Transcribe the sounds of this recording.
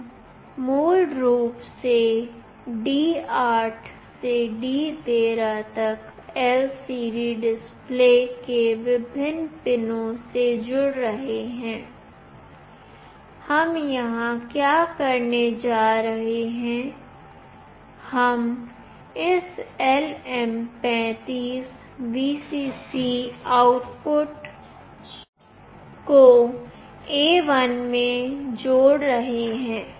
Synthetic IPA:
muːlɾuːpse | ɖiːaːʈʰ | seɖiːt̪eːɾat̪ɐkɛːlsiːɾiɖɪspleːkeʋɪbʱɪnːpɪnõsed͡ʒʊɽɾɐɦeɦɛ̃ː | hɐmjɐɦãkjaːkɐɾned͡ʒaːɾɐɦeɦɛ̃ː | hɐm | ɪsɛlɛmpɛ̃ːt̪iːs | ʋiːsiːsiaːʊʈpʊʈ | ko | eːʋənmẽd͡ʒoːɽɾɐɦeɦɛ̃ː

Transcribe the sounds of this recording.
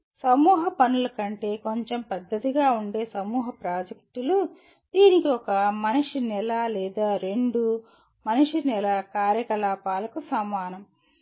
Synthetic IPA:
sɐmuːɦɐpɐnulɐkɐɳʈe̞ːko̞ɲt͡ʃempɐd̪ːɐt̪iɡaːuɳɖe̞ːsɐmuːɦɐpɾaːd͡ʒɐk̚ʈulu | d̪̥iːnikiɔkɐmɐniʂinɛlaːlɛːd̪aːɾe̞ɳɖu | mɐniʂinɛlɐkaːɾjɐkɐlaːpaːlɐkusɐmaːnɐm

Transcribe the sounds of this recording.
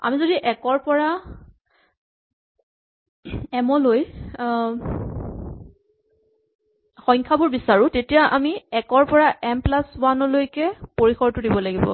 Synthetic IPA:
a̰mizodiʔɛkɔɹpɔɹa | ɛmɔloj | xɔjŋkʰabʊɹbisaɹʊ̃tetijaʔamiɛkɔɹpɔɹaʔɛmplaswanɔlojkɛpoɹixɔɹtʊdibɔlaɡibɔ̰

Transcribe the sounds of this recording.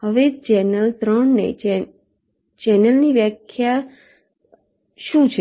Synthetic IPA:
ɦəʋet͡ʃɛnəlt̪ɾəɳːḛt͡ʃɛ | t͡ʃɛnəlniʋjəkʰja | ʃũt͡ʃʰe

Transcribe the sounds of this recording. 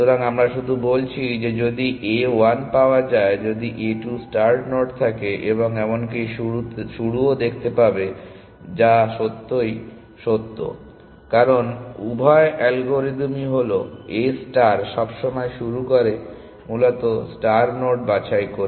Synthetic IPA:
oɾaŋamɾaʃud̪ʱubolt͡ɕʰid͡ʑed͡ʑod̪iʔewanpaoad͡ʑaed͡ʑod̪iʔeʈusʈaɾnoʈt̪ʰakeʔeβoŋɛmonkijʃuuʃuɽuod̪ek̚ʰt̪epabe | d͡ʑaʃot̪ːoj | ʃot̪ːo̰ | kaɾonubʱɔeʔɛlɡoɾid̪miɦoloesʈaɾʃɔbʃɔmɔeʃuɾukoɾe | mulot̪osʈaɾnoʈ̚bat͡ɕajkoɾe

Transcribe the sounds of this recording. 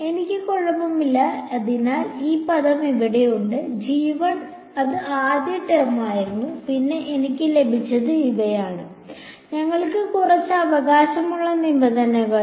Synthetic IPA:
e̞nikʲːɨkoɭːɐbɐmilːɐɐðinaːliːpɐðɐmiʋiɽe̞juɳɖɨd͡ʑiːʋɐɳ | ɐðɨaːd̪jɐʈːermaːjiɾunːupinːe̞ʔːnikʲːɨle̞bʱit͡ɕːɐðɨiʋɐjaːɳɨ | ɲɐŋːɐɭkɨkurɐt͡ɕːɨɐʋɐɣaːɕɐmuɭːɐnimbɐðɐnɐɣɐ

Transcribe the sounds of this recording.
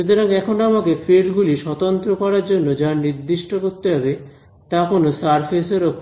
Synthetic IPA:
ut̪ʰoɾaŋɛkʰonoamakefiɾɖɡuliʃɔt̪ont̪ɾokɔɾaɾd͡ʑonːod͡ʑaɾniɾd̪iʃʈokoɾt̪eɦɔbe | t̪akonosaɾpʰeseɾok

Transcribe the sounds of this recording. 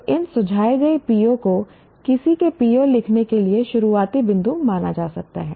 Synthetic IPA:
ɪnsʊd͡ʒʱaːeɡɐipiːjõko | kɪsikepiːõlɪkʰnekelieʃʊɾuaːt̪ibɪ̃nd̪ʱumaːnad͡ʒaːsɐk̚t̪a̰ɦɛ̰ː

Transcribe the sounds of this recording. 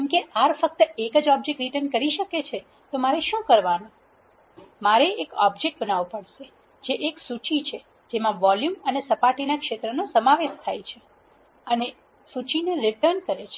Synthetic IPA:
kɛmkeʔaɾfək̚t̪əekəd͡ʒɔb̚d͡ʒek̚ʈɾiʈəɾnkəɾiʃəket͡ʃʰe | t̪omaɾeʃũkəɾʋanũ | maɾeekɔ̰bd͡ʒek̚ʈ̚bənaʋopəɽʃe | d͡ʒeʔeksut͡ʃit͡ʃʰe | d͡ʒemãʋɔljumənesəpaʈinakʃet̪ɾənosəmaʋeʃt̪ʰajt͡ʃʰe | əne | sut͡ʃineɾiʈəɾnkəɾet͡ʃʰe

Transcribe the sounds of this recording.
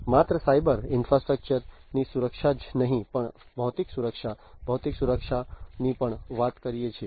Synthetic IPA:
mat̪ɾəsajbəɾɪnfɾasʈɾək̚t͡ʃəɾnisuɾəkʃad͡ʒnəɦĩpəɳ | bʱəʋt̪iksuɾəkʃa | bʱəwt̪iksuɾəkʃanipəɳʋat̪kəɾijet͡ʃʰe

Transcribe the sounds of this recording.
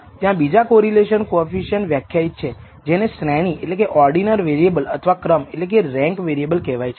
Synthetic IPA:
t̪jãbid͡ʒakoɾileʃənkofiʃənʋjakʰːjait̪̚t͡ʃʰe | d͡ʒeneʃɾɛɽ̃iʔḛʈlekeʔɔɾɖinəɾʋeɾiebələt̪ʰəʋakɾəmeʈlek̬eɾɛ̃ŋkʋeɾiebəlkɛʋajt͡ʃʰe

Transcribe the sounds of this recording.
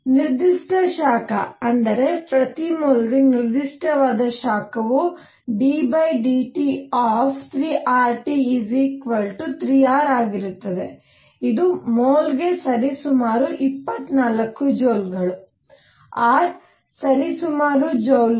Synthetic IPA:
niɾd̪iʂʈʰɐʃaːkɐ̰ɐnd̪ɐɾe̞pɾɐt̪imoːlɡiniɾd̪iʂʈʰɐʋaːd̪ɐʃaːkɐʋu | ɖiːbɐjɖiːʈiaːpʰt̪ʰɾiːʔaːɾʈiːzikʋɐlʈut̪ɾijaːɾaːɡiɾut̪ːɐd̪e̞ | id̪umoːlɡe̞sɐɾisumaːɾuʔipːɐt̪ːnaːlɐkːud͡ʒoːlɡɐɭu | aːɾ | sɐɾisumaːɾud͡ʒoːl

